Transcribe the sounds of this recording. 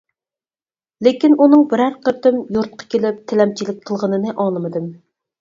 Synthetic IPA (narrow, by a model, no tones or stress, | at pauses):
lekʲinunɨŋbɪɾæɾqəɾt̪ɪmjuɾt̪̚qʰɑ̥kʲʰelɪp̚t̪ʰɪlɛmt͡ʃʰilɪk̚ʲqʰəlˠʁənɨnɨʔɑlˠɨmɨd̪ɨm